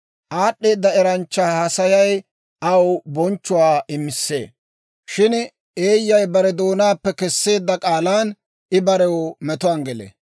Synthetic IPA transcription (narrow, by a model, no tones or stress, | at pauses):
ʔaːɗːe̞ːd̪ːɐɛɾɐnt͡ʃːahɐsɐjɐj | ʔɐwbɔnt͡ʃːʊwaːʔɪmːɪsːḛː | ʃɪn | eːjːɐjbɐɾɛd̪o̞ːnaːpːɛkɛsːe̞ːd̪ːɐkʼaːlaːn | ɪbɐɾɛwɔmɛt̪ʊanɡɛlḛ